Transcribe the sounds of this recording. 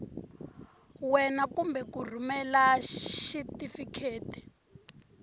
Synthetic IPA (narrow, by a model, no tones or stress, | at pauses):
wɛnakumbɛkur̤umɛlaʃitifikʰeːti̥